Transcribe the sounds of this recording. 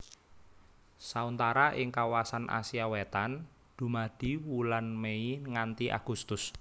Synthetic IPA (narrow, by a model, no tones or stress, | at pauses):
saunt̪aɾaʔɪŋkawasanʔa̰siawet̪an | d̪̥ṳmaɖ̥i̤wulanmeiŋant̪iʔa̰ɡ̥ust̪ʊs